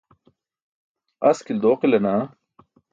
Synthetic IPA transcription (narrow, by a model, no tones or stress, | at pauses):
ɐskild̪oːqilɐnaː